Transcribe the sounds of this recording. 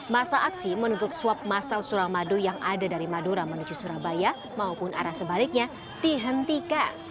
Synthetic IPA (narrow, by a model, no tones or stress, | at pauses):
masaʔaksimənut̪ʊt̪̚suap̚masalsuɾamadujaŋʔadadaɾimaduɾamənud͡ʒusuɾabaja | maupʊna̰ɾahsəbalɪk̚ɲa | d̥iɦənt̪ikan